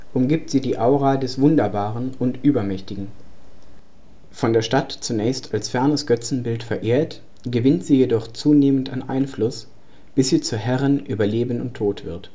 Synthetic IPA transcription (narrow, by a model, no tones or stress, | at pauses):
ʔʊmɡiːp̚tz̥iːdiːʔaʊʁaːdɛsv̥ʊndɐbaːʁənʊntʔyːbɐmɛçtɪɡŋ̩ | fɔndeːɐʃtatt͡sunɛːçstʰalsfɛɐnəsɡ̥œt͡sn̩bɪltfɛɐʔeːɐt | ɡ̥əvɪntz̥iːjedɔχt͡suːneːməntaɪnʔa̰ɪnflʊs | b̥ɪsz̥iːt͡suɦɛʁənʔyːbɐleːbənʊntʰːoːtv̥ɪɐt